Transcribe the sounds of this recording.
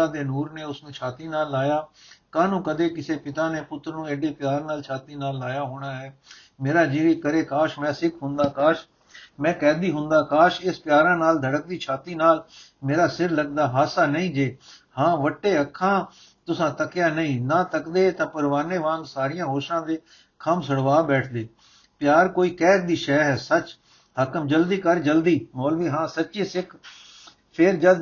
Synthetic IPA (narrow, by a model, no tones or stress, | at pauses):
ãːd̪eːnuːɾneːʊsnũːt͡ʃʰaːt̪iːnaːlːaːjaːkãːnũːkəd̪eːkɪseːpɪt̪aːneːpʊt̪ːɾnũːeːɖeːpjaːɾnaːlt͡ʃʰaːt̪iːnaːlːaːjaːɦoːɽ̃aːɦɛː | meːɾaːd͡ʒiːɾiːkəɾeːkaːʃmɛ̃ːsɪkʰɦʊ̃nd̪aːkaːʃ | mɛ̃ːkɛːd̪iːɦʊ̃nd̪aːkaːʃeːspjaːɾãːnaːld̪ʱəɽək̚d̪iːt͡ʃʰaːt̪iːnaːlmeːɾaːsɪɾləɡ̚d̪aːɦaːsaːnəĩːd͡ʒeːhãːʋəʈːeːəkʰːãː | t̪ʊsãːt̪əkjaːnəĩːnãːt̪əkd̪eːt̪ãːpəɾʋaːɾneːʋãːnsaːɾɪjãːɦoːʃãːd̪eː | kʰəmsəɽʋaːbɛːʈʰd̪eː | pjaːɾkoːiːkɛːkd̪iːʃɛːɦɛːsət͡ʃ | ɦəkəmd͡ʒəld̪iːkəɾd͡ʒəld̪iːmoːlʋĩːɦãːsətːʃeːsɪkʰ | pʰɪɾd͡ʒəd̪